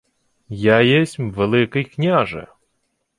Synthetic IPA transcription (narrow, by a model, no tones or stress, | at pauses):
jajɛsʲmvɛlˠɨkɐjknʲaʐɨ̰